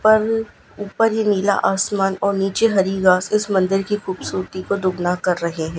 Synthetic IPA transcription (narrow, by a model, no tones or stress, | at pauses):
pɐɾ | uːpəɾjeniːla̰ʔaːsmaːnɔːɾniːt͡ʃeɦɐɾiɡaːsɪsmɐ̃nd̪ɪɾkixuːbsuːɾt̪ikod̪ʊɡnakɐɾːɐɦeɦɛ̃ː